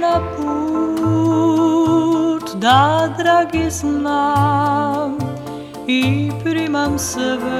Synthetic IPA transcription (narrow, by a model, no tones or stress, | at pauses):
napu | ʈʰd̪ad̪ɾaɡisna | m | ipɾimamsəʋ